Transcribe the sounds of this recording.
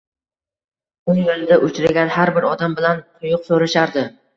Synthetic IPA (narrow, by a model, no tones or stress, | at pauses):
ʊnjolɪd̪aʔʊt͡ʃʰɾaɡʲanhaɾbɪɾɒd̪ambɪlant̪ʰʊjʊqsoɾaʃaɾd̪ɪ